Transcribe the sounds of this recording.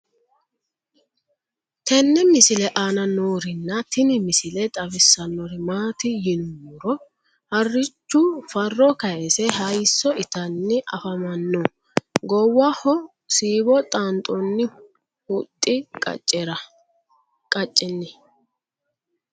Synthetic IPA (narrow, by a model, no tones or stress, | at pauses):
t̪ɛnːɛmɪsɪlɛʔanɐnoːɾɪnːɐt̪ɪnɪmɪsɪlɛt̪ʼɐbɪsːɐnːɔɾɪmaːt̪ɪjɪnuɾɔ | hɐrːɪt͡ʃːʊfɐrːɔkɐjɛsɛhɐjsːɔɪt̪ɐnːɪʔɐ̰fɐmɐnːɔ | ɡɔwɐhɔ | siːbɔt̪ʼant̪ʼɔnːɪ | hʊt̪ʼːɪkʼɐ̰t͡ʃʼːɛɾɐ | kʼɐt͡ʃʼːɪnːɪ